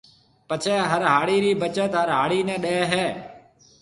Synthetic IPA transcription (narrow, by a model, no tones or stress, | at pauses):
pət͡ʃʰɛːɦəɾɦaːɽiːɾiːbət͡ʃət̪ɦəɾɦaːɽiːnɛ̃ːɗeːɦɛː